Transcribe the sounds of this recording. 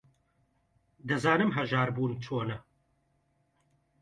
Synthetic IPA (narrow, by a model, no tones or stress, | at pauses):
d̪ɐzaːnɨmɦɐʒaːɾbuːnt͡ʃʰoːnɐ